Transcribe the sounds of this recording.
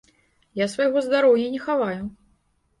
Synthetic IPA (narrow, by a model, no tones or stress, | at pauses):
jasvajɣɔzd̪aɾɔwjɐnʲɛxavaju